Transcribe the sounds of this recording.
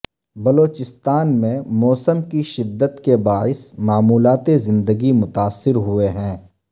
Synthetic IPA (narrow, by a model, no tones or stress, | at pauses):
bɐloːt͡ʃɪst̪aːnmẽmɔːsəmkiʃɪd̪ːət̪kebaːɪsmaːmuːlaːt̪ezɪ̃nd̪əɡimʊt̪aːsːɪɾɦʊeɦɛ̃ː